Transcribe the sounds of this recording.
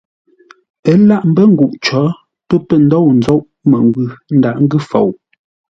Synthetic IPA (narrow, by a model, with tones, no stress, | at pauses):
ə˨˦la˦˨ʔm̩˦bə˦˨ŋ̩˦ɡu˨ʔt͡ʃɔ˨˦ | pə˦pə˦˨n̩dɔ˦˨wn˨zɔ˦ʔ | mə˨ŋɡwʉ˨n̩˦da˨ʔŋ̩˦ɡʉ˦˨fo̰˨w